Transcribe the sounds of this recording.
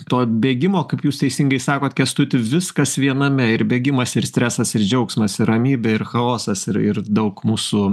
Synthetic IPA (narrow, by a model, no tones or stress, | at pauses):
t̪oːbʲeːɡʲɪmoːkɐɪpjuːst̪ʲɛɪsʲɪŋɡɐɪsɑːkoːt̪kʲɛst̪ʊt̪ʲɪʋʲɪskɐsʋʲiɛnɐmʲɛɪɾbʲeːɡʲɪmɐsɪɾsʲt̪ʲɾʲæːsɐsɪɾd͡ʒʲɛʊksmɐsɪɾɐmʲiːbʲɛɪɾxɐoːsɐsɪɾɪ̰rd̪ɐʊkmuːsuː